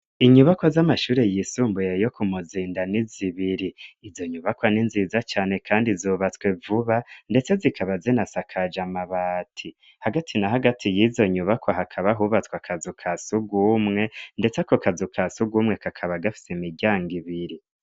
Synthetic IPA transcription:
iɲuβakwozamaʃuːɾe̞jisuːmbujejo̞kʰumuziːndaniziβiɾiːzo̞ɲuβakwaninziːzat͡ʃaːne̞kʰaːndizuːβat͡skwe̞vuβande̞t͡se̞zikʰaβazinasakʰad͡ʒamaβaːtʰi | haɡatʰinaɦaɡatʰijizo̞ɲuβakwaɦakʰaβaɦuβat͡skwakʰazukʰasuɡuːmŋe̞nde̞t͡seko̞kazukʰasuɡuːmŋe̞kakʰaβaɡafi̥semiɟaːŋɡiβiɾi

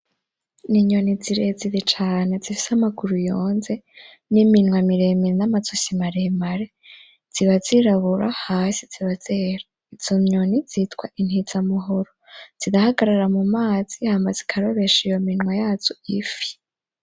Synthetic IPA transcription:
niɲoniziɾed͡ziɾit͡ʃaːnezifi̥samaɡuɾujo̞ːnze̞ | niminwamiɾemiɾinamat͡sosimaɾemaɾe | z̥iβaziɾaβuɾa̰haːsiz̥iβazeːɾa | iz̥omɲoniz̥itkwaʔin̥hizamuɦoɾoz̥idahaɡaɾaɾamumaːz̥ihambazi̥kʰaɾoβeʃijo̞minŋwajaːt͡ʃoifi̥

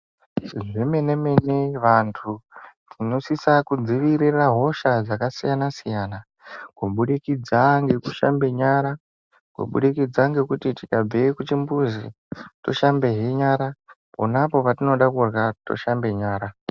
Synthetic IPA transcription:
ʐime̞ne̞meneʋantʰutʰino̞sisakud͡ziʋiɾiraɦo̞ʃad͡zakasijanasijaːna | kuɓuɗikid͡zaŋɡe̞kuʃa̰mbe̞ɲaːɾa | kṵɓṵɗikid͡zaŋɡe̞kutitikab͡vekut͡ʃimbuzi | to̞̰ʃambe̞ɦiɲaːɾa | ponapo̞patino̞ɗakurɣato̞̰ʃambe̞ɲaːɾa

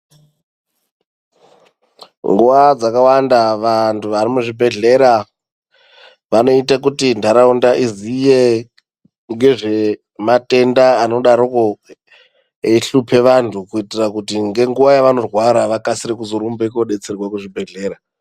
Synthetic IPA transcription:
ŋɡuʋad͡zakawandaʋantʰuʋarimuʐibʱe̞ɮe̞ɾa | ʋano̞itakutindʱaɾaundaʔizije | ŋɡe̞ʐe̞ | mate̞ndaːno̞ɗaɾoko | eɬupʰe̞ʋantʰukuitirakutiŋɡe̞ŋɡuʋajaʋano̞rwaɾaʋakasiɾekuzoɾumbekoɗe̞t͡serwakuʐibʱe̞ɮe̞ːɾa

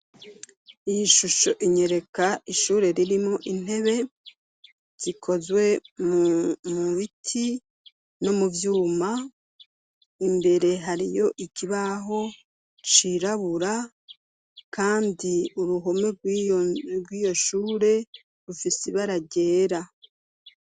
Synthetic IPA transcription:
ijiʃuʃo̞̰ʔiɲe̞ɾe̞kaiʃuːɾe̞ɾiɾimŋo̞ʔin̥e̞βe̞ | z̥ikʰo̞zwe̞mmuβitʰi | no̞muvjuːma | imbe̞ɾe̞ɦaɾijo̞ʔikiβaɦo̞ | t͡ʃiɾaβuɾa | kʰaːndiuɾuɦo̞me̞ɡ | ɡwiːjo̞ʃuːɾe̞ | ɾufiseβaɾaɟe̞ːɾa

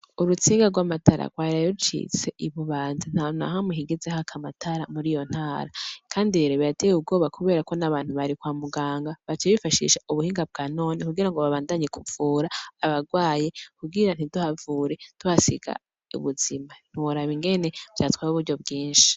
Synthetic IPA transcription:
uɾut͡siːŋɡaɡwamatʰaɾa̰kwaːɾauut͡ʃḭt͡se̞̰ʔiβuβaːnzin̥haːna̰ɦamiɦiɡezehakʰamatʰaɾamuɾijo̞n̥haːɾakʰaːndiɾeɾeβijatejub̚ɡo̞ːβakuβe̞ːɾakonaβaːn̥huβaɾikwaːmuɡaːŋɡaβat͡ʃeβifaʃḭʃauβuhiːŋɡab̚ɡano̞ːnikuɡiɾaŋɡoβaβaːndaɲekʰuvuːɾaːβaɡwaːje̞kuɡiɾan̥iduhavuːɾe̞tuhasḭɡa̰ | ṵβuziman̥uuɾaβiŋɡe̞ne̞bjatwaːɾuβuɾɟo̞bɡiːnʃi̥

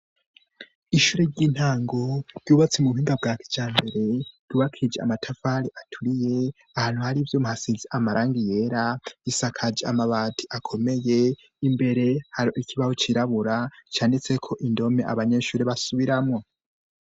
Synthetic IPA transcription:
iʃuːɾeɟiːn̥haːŋɡoɾjuːβat͡semuuhiːŋɡabɡaːki̥d͡ʒaːmbe̞ɾe̞j̥uβakʰid͡ʒea̰matʰafaɾiʔatʰuɾije̞ | ahaːn̥huhaɾivjoːmuhasiziʔamaɾʔaːŋɡije̞ɾaisakʰad͡ʒeamaβaːtʰiʔakʰo̞me̞je̞ | imbe̞ɾe̞haɾoʔikʰiβahot͡ʃiɾaβuɾat͡ʃaːndit͡sekʰo̞ʔindo̞me̞ʔa̰βaɲe̞ːʃuːɾeβasuβiɾamŋo

